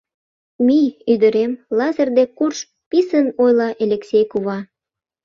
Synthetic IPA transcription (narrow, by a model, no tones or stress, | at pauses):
miyd̪əɾemlɑzərd̪ekurʃ | pisənojlɑʔelʲeksʲejkuβɑ